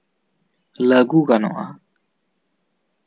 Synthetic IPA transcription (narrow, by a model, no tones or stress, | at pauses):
ləɡukanɔ̰ʔa